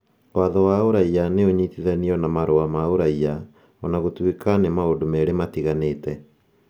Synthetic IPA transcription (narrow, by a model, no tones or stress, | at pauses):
waðɔwaoɾaianeoɲitiðaniɔnamaɾoamaoɾaia | ɔnaɣotwekanemaondomɛɾematiɣaneːtɛ